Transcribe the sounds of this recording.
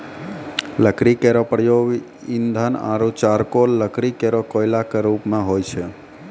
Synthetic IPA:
ləkɾikeɾopəɽjoʋ | ind̪ʱana̰ɾut͡ʃaɾkolːəkɾikeɾokojlakəɾupmãɦojt͡ʃʰe

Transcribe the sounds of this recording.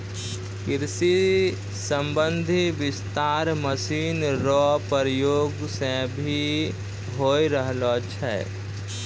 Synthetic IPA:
kɪɾsi | səmbə̃nd̪ʱiʋɪst̪aːɾməsiːnɾɔpəɾjoːɡsẽbʱi | ɦoːiɾəɦlot͡ʃʰɛ̰

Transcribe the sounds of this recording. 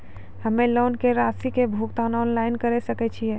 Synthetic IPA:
hɐmẽloːnkeɾaːsikebʱuːkt̪aːnɔːnlaːɪnkɐɾesɐket͡ʃʰiɛː

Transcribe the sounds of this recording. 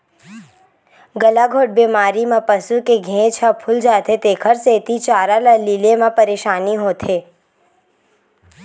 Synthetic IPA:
ɡəlaɡʱoːʈ̚beːmaːɾimãpəsukeɡʱẽːt͡ʃʰapʰʊld͡ʒaːt̪et̪eːkʰəɾseːt̪it͡ʃaːɾaləlilemãpəɾeːʃaːniɦoːt̪ʰeː

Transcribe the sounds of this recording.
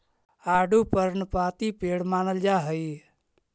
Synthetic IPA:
aːɖupəɾnpaːt̪ipeɽmaːnəld͡ʒaɦəj

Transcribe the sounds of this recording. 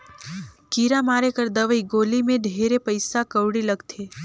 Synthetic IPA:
kiɾamaːɾekəɾd̪əʋəiɡoːlimẽɖʱeːɾepəɪsakəʋɽiləɡt̪ʰe

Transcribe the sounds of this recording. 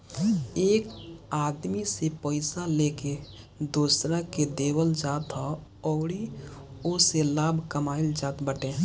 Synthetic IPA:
eːkaːd̪misepəɪsaleːke | d̪uːsɾaked̪eːwəld͡ʒaːt̪ɦɔ | ɔːɽioselaːbʱkəmaːild͡ʒaːt̪bəʈẽː

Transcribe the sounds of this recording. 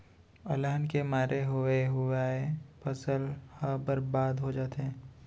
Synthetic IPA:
ɐlaːnkemaːɾʔeɦoeɦʊaɦepʰɐsəlhəbəɾbaːd̪ɦod͡ʒaːt̪eɦɛ̃ː

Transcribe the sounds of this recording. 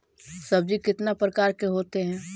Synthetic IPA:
sɐb̚d͡ʒikɪt̪napɾəkaːɾkeɦoːt̪eɦɛ̃ː

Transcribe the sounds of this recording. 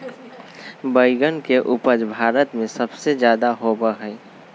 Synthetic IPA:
bəɪɡənkeʔupəd͡ʒbʱaːɾət̪mẽsəbsed͡ʒjaːd̪aɦobəɦə

